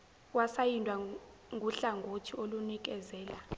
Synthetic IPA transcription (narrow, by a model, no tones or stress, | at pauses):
wasajindʱʼwa | ŋʱuɬaŋɡʱotʰiolunik̬ɛzɛːla